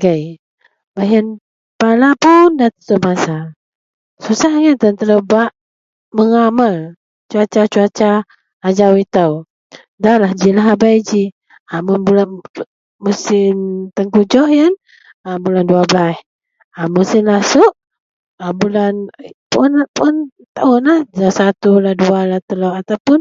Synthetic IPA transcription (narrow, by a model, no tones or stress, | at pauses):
ɡəj | baɦən | palapundat̪ə̥t̪uʔmasa | susahŋənt̪ənt̪ələbaʔ | məŋamal | t͡ʃuat͡ʃat͡ʃuat͡ʃaː | d͡ʒawit̪əw | dalahd͡ʒilaɦabajd͡ʒi | amunbulan | musɪmt̪əŋkud͡ʒɔhjan | abulanduablah | amusɪnlasʊʔ | əbulanpʊnapʊn | t̪aʊnahasat̪ulahdualat̪əloʔat̪awpʊn